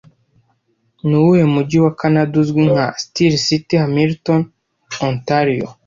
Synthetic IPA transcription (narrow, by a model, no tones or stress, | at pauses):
nuwujemuɟiwakanaduzɡwiŋ̥hastiɾsitihamilton | õntaɾijo̰